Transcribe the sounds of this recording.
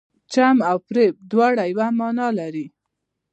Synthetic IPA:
t͡ʃamawpɾep̚d̪wɑɽajwamɑnɑlaɾi

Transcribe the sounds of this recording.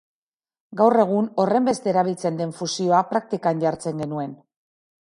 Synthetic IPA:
ɡawre̞ɣ̞uno̞re̞mbe̞st̪e̞ːɾaβ̞ilt͡se̞nd̪e̞ɱfusio̞apɾak̚t̪ikanʝaɾt͡se̞ŋɡe̞nue̞n

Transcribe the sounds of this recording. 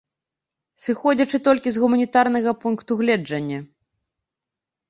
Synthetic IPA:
sɨxɔd͡zʲɐt͡ʂɨt̪ɔlʲkʲizɣumɐnʲit̪arnɐɣɐpunkt̪uɣlʲɛd͡ʐɐnʲːɐ

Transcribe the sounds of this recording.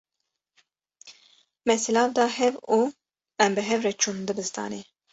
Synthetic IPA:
mɛsilɑːvd̪ɑːhɛvu | ɛmbɨɦɛvɾɛt͡ʃʰund̪ɨbɨst̪ʰɑ̰ːne

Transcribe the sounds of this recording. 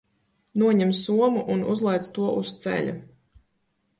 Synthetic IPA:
nuɔɲɛmsuɔmuʔunuzlˠɛjt̪st̪uɔʔust̪sɛ̰ʎʲṵ

